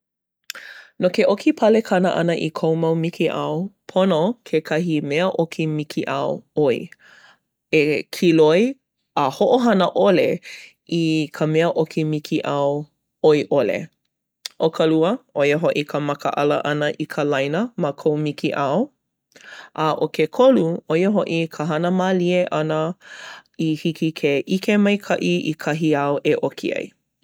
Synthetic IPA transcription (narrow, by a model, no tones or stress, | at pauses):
nokeʔokʰipʰɐlekʰɐnəʔɐ̰nəʔḭkʰowmawmikʰiʔɐwpʰonokʰekʰɐɦimɛəʔokʰimikʰiʔɐwoi | ekʰiloj | əhoʔoɦɐnəʔole | ikʰəmɛəʔokʰimikʰiʔɐw | ojʔolḛ | ʔokʰəluəʔojəɦoʔikʰəmɐkəʔɐlə̰ʔɐnəʔikʰəlɐjnəməkʰowmikʰiʔaw | ʔaʔokekʰoluojəɦoʔikʰəɦɐnəmalieʔɐnə | ihikʰikʰeʔikemɐjkʰɐʔiḭkʰɐɦiawʔeʔokʰḭɐ̰j